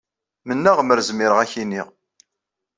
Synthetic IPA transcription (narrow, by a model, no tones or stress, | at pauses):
mənːæʁəməɾzmiɾəʁæçiniʁ